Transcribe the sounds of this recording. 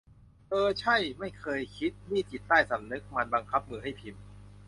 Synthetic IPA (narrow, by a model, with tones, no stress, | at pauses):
ʔɤː˧t͡ɕʰa˥˩jma˥˩jkʰɤː˧jkʰi˦˥t̪̚niː˥˩t͡ɕi˨˩t̪ːaː˥˩jsa˩˦mnɯ˦˥k̚ma˧nba˧ŋkʰa˦˥p̚mɯː˧ɦa˥˩jpʰi˧m